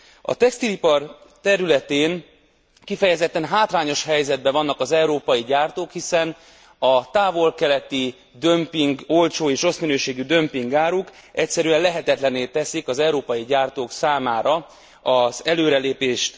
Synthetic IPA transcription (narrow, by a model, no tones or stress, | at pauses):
ɒ̰t̪ɛkst̪ilipɒrt̪ɛɾylɛt̪eːn | kifɛjɛzɛt̪ːɛnɦaːt̪raːɲo̞ʃɦɛjzɛd̪̚bɛvɒnːɒkɒzɛuɾoːpɒjiɟaːrt̪oːkhisɛn | ɒt̪aːvo̞lkɛlɛt̪i | d̪ø̞mpiŋɡo̞lt͡ʃoːeːʃo̞sminøːʃeːɡyd̪ø̞mpiŋɡaːɾuk | ɛcsɛɾyɛnlɛɦɛt̪ɛt̪lɛneːt̪ɛsikɒzɛuɾoːpɒjiɟaːrt̪oːksaːmaːɾɒ | ɒzɛløːɾɛleːpeːʃt̪